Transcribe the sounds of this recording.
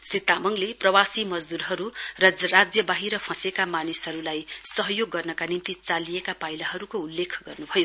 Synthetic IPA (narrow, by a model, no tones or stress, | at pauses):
srit̪amʌŋleprʌwasimʌd͡zd̪urɦʌɾurʌd͡zʌrad͡zjʌbaɦiɾʌpʰʌsekamanisɦʌɾulajsʌɦʌjoɡːʌrnʌkanint̪it͡salijekapajlaɦʌɾukoulːekʰɡʌrnubʱʌjo